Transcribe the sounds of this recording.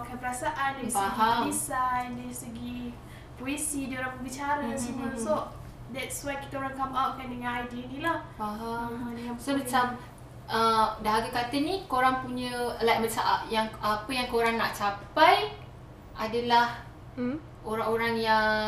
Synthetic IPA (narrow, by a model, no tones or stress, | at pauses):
akanpəɾasaʔandəisbəaɡiɦamisandəɾisəɡi | poesidioɾaŋbəbit͡ʃaɾasinəso | dɛtswajki̥t̪aoɾaŋkamawʔ̚kandəŋãnajdinĩlah | baɦamsobət͡ʃam | ʔədaɦaɡakat̪ənikoɾaŋpuɲə̃lat̚bət͡ʃaʔa̰ʔjaŋapəjaŋkoɾaŋnaʔt͡ʃapaj | ʔadalah | oɾaŋoɾaŋjaŋ